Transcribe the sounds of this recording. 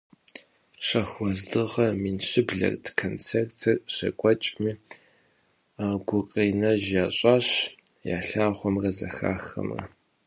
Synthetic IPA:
ɕɐxwɔzdɨʁɐmiːnɕɪbɮɐ̰rtʰkʰont͡sʰertʰɐrɕɐkʷʼɔt͡ʃʼmiː | ɡʷʊqʼeːnɐʒjaːɕʼaːɕ | ja̰ːɬaːʁʷɔmrɐzɐ̰xa̰ːxɐ̰mrɐ̰

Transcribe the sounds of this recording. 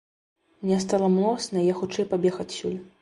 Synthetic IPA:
mnʲɛs̬t̪alˠɐmlˠɔsnɐijaxut͡ʂɛjpabʲɛxɐt͡sʲsʲulʲ

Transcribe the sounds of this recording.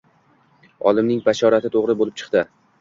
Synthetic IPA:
ɒ̰lˠɪmnɪŋbaʃɒɾat̪ʰɪt̪ʰoʁɾɪbolɪp̚t͡ʃʰɨ̥qt̪ɪ

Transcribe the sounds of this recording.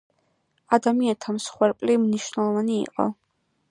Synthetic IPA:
ad̪amiant̪ʰamsχwɛɾpʼlimniʃwnɛlˠɔvanḭːqʼɔ̰

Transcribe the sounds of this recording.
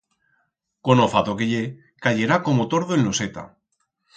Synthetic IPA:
konofat̪okeʎe | kaʝe̞ɾako̞mot̪o̞ɾðoenlo̞set̪a̰

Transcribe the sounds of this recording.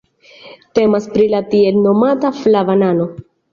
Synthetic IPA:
te̞maspɾilatie̞lno̞mataflavanano̞

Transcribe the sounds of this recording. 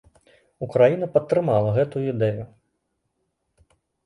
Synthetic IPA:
ukɾajinɐpɐt̪ːɾɪmɑlˠɐɣɛt̪ʊid̪ɛjʊ

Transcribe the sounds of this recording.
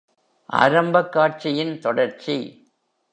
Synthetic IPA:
ʔa̰ːɾɐmbɐkːaːʈ̚t͡ʃɪjɪnt̪ɔɽɐɾt͡ʃi

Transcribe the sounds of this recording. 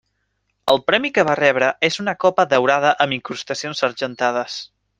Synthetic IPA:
əlˠpɾɛmikəβ̞arɛβ̞ɾəʔezunəkɔpəðəwɾað̞əʔəmiŋkɾust̪əsionsəɾʒənt̪að̞əs

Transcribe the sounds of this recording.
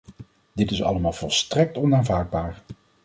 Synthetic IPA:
d̥ɪtɪsɑ̰ləmaːlˠv̥ɔlˠstrɛk̚tɔnaːnvaːɹd̚baːɹ

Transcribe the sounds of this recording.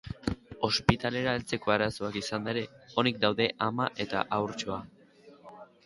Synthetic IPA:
o̞spit̪ale̞ɾaelt͡se̞ko̞aɾaso̞akisand̪aeɾe̞o̞nik̚d̪awðe̞ʔamaʔe̞t̪a̰ʔawɾt͡ʃo̞a

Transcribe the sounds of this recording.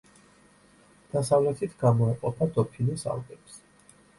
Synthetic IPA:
d̪̥asavlɛt̪ʰit̪ʰɡamɔɛqʼɔpʰad̪ɔpʰinisa̰lˠɡɛps

